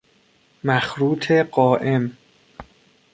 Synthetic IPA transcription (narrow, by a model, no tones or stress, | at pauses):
mæxɾuːt̪ʰe̞ɢɒːʔe̞m